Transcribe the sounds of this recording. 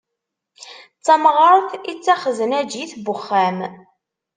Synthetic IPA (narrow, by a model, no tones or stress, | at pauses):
t͡sːæmʁəɾˤθit͡sːæχzənæd͡ʒjiθbʊχːæm